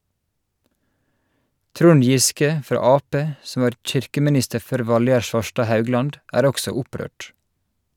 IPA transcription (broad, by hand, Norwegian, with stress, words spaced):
ˈtɾʊn ˈjɪskə ˈfɾɑː ˈɑːˌpeː ˈsɔm ˈʋɑːɾ ˈc͡çɪɾkəmɪˌnɪstə ˈføːɾ ˈʋɑlˌjæɾ ˈʃʋɑʃʈɑː ˈhɑʉˌɡlɑnd ˈʔæːɾ ˈɔksɔ ˈʊˌpɾøːʈ